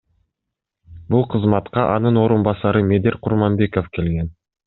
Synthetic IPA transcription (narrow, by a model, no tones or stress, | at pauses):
bulˠqʰəzmɑt̪qɑʔɑnɯnoɾunbɑsɑɾɯmʲe̞d̪eɾqʰʊɾmɑnbe̞ko̞fke̞lɡe̞n